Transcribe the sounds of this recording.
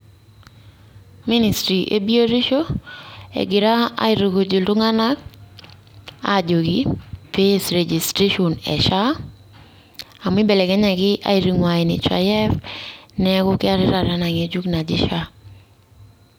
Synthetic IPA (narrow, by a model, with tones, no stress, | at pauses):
mi˦ni˨stɾi˨ʔḛ˨bi˦o˦ɾi˦ʃo˦ | ḛ˨ɡɪ˨ɾa˦a̰˦ɪ˦ɾo˨ɡo˨d͡ʒo˨lto˦ŋa˦na˦k̚ | a̰˦d͡ʒo˨ɡipe˦sɾe˨d͡ʒi˨stɾe˦ʃo˨nɛ̰˨ʃa˦ | a˨mɪ˦bɛ˨lɛ˨kɛ˦ɲa˨ɡɪ˦ʔa̰˦i˦ɾi˨ŋwa˨ɪ˨nɪ̰˨t͡ʃa̰˨jɛ˦fnɛɡʊ˦kɪ˦a˦ɾɪ˦ɾa˨ɾa˦na˨ŋe˨d͡ʒu˦kna˨d͡ʒɪ˦ʃa˦